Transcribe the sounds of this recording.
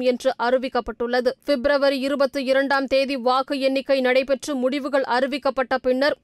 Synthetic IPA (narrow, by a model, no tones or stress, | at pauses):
ɛndrɯʔɐrɯʋɪkːɐpːɐʈːɯɭːɐðɯfɛbɾɐʋɐɾiɪɾɯbɐt̪ːɯɪɾɐɳɖaːmt̪eːðiʋaːɣɯɛnːɪkːɐɪnɐɽɐɪpɛʈrɯmʊɽɪʋɯɣɐɭʔɐɾɯʋɪkːɐpːɐʈːɐpɪɳːɐɾ